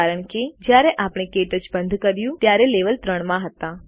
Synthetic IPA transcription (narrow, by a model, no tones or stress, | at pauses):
aɾəɳked͡ʒjaɾɛʔapɽ̃ekeʈəd͡ʒbənd̪ʱkəɾjũt̪jaɾeleʋəlt̪ɾəɳmãɦət̪ã